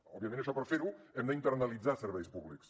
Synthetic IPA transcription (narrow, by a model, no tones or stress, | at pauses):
ɔ̰biəmẽnəʃɔpəɾfeɾuɛmd̪əint̪əɾrnəlˠid͡zasəɾβɛjspuβliks